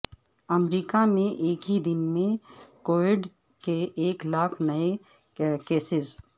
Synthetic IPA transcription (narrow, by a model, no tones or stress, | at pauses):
ɐmɾiːkamẽʔeːkɦid̪ɪnmẽkoːɪɖ | keʔeːklaːkʰnɐe | keːsɪz